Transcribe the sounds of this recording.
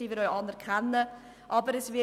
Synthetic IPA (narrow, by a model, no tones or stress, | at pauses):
iːʋɪɾœʏɑnɛɾkʰɛnːə | ʔɑbəɾɛsʋɪ